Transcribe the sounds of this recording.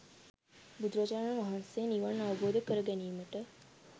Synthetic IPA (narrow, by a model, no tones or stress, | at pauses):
bud̪ɾad͡ʒaɾnanʋaɦansejniʋanːaʋəboːd̪əkəɾəɡɛniːməʈə